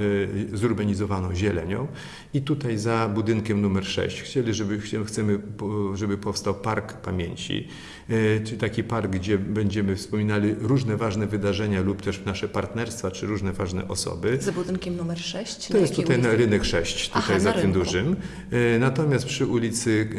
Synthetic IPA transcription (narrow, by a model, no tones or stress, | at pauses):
zuɾbaɲizɔvanɔ̃w̃ʑɛlɛ̰ɲɔ̰̃w̃ | it̪ut̪ajzabud̪ɘŋkʲɛmnumɛɾʂɛ̰ɕt͡ɕxt͡ɕɛlʲiʐɛbɘɛxt̪sɛmɘʐɛbɘpɔfst̪awpaɾkpamʲjḛɲt͡ɕḭ | t̪akʲipaɾɡɡd͡ʑɛbɛɲd͡ʑɛmɘfspɔmʲinalʲiɾuʐnɛvaʐnɛvɘd̪aʐɛɲalupt̪ɛʂnaʂɛpaɾt̪nɛɾst̪fat͡ʂɘɾuʐnɛvaʐnɛ̰ʔɔsɔ̰bɘzbud̪ɪnkʲɛmnumɛɾʂɛɕt͡ɕt̪ɔjɛst̪t̪ːut̪aj̪aɾɘnɛkʂɛɕt͡ɕt̪ut̪ajzat̪ɪmd̪uʐɘm | nat̪ɔmʲast̪̚pʂɘulʲit̪sɘ